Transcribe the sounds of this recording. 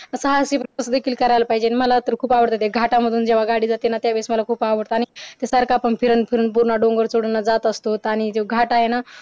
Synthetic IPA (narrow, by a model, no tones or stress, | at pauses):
səɦasipɾəsd̪ekʰiːlkəɾajlapaɦid͡ʑeañiməlat̪əɾkʰuːpaʋəɽt̪at̪jeɡʱaʈaməd̪ʱuːnd͡ʑeʋ̤aɡaɽiːd͡zat̪enat̪jaʋesməlakʰuːpaʋəɽt̪aːñit̪esəɾkʰaːpəɳpʰiɾənpʰiɾəːnp̬uɾɳaɖõŋɡəɾt͡soɽənːad͡zat̪əst̪ot̪aɽ̃it̪eɡʱaʈaɦena